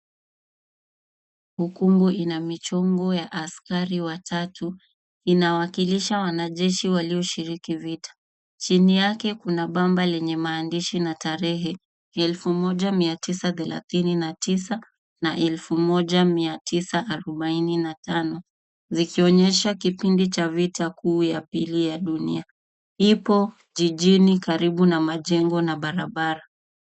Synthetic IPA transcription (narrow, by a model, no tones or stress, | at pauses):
hukumɡuʔinamit͡ʃɔŋɡɔjaʔaskaɾiwatʰatʰu | inawakiliʃawanaʄɛʃiwaliɔʃiɾikivitʰḁ | t͡ʃinijakɛkunaɓambalɛɲɛmaːndiʃinataɾɛɦɛ | ɛlfumɔʄamiatʰisaθɛla̰θininatisa | naʔɛlfumɔʄamiatʰisaʔːɾɔɓaininatanɔ | zikiɔɲɛʃakipindit͡ʃavitʰakuːjapilijaɗunḭa | ipɔ | ʄiʄinikaɾiɓunamaʄɛŋɡɔnaɓaɾaɓaɾa